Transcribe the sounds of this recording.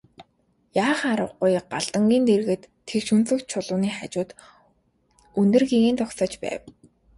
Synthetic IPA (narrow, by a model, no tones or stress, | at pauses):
jaːχaɾə̰̆wɢʊjɢaɮt̪ə̆ŋɡʲiːnt̪erɣɘ̆t̪ʰːekʃunt͡sɵ̆kt͡ɕʰʊɮʊːniːχat͡ɕʊːt̪ | unt̪ɘ̆rɣiɣeːnt̪ʊksɔːt͡ɕpæ̰ːw